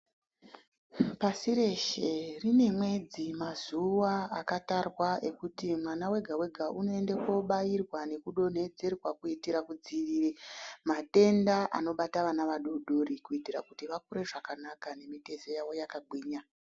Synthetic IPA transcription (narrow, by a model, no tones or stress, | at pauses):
pasiɾe̞ʃe̞rine̞mwe̞d͡zimazuwaakatarwae̞kutimwanawe̞ɡʱawe̞ɡʱaʔuno̞e̞ndeko̞ɓajirwane̞kuɗo̞n̤e̞d͡ze̞rwakuitiɾakud͡ziʋiːɾemate̞ndaʔa̰no̞ɓataʋanaʋaɗuɗʱoɾikuitiɾa̰kutiʋakuɾe̞ʐakanakane̞mite̞zejaʋo̞jakaɡ͡bʱwiːɲa